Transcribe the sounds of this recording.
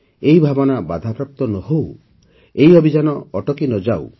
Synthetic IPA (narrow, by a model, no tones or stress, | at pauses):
eibʱabɔnabad̪ʱapɾɔp̚t̪ɔnɔɦow | eiɔbʱid͡ʒanɔːʈɔkinɔd͡ʒaw̰